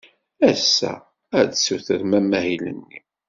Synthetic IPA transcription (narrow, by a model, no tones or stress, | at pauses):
æsːæ̰ | æd̪suθəɾmæmːæɦilə̰nːi